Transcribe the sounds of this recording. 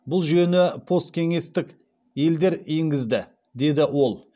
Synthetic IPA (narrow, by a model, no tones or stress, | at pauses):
bʊlˠʒenɪpʰo̞st̪̚kʲʰe̞ŋe̞st̪ɪk | je̞ld̪e̞ɾeŋɡʲɪzd̪ɪ | d̪e̞d̪ɪwo̞lˠ